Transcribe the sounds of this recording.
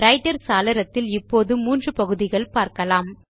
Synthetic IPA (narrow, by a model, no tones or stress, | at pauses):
ɾɐɪʈːɐɾsaːlɐɾɐt̪ːɪlɪpːoːðɯmuːndrɯpɐɣɯðɪɣɐɭpaːɾkɐlaːm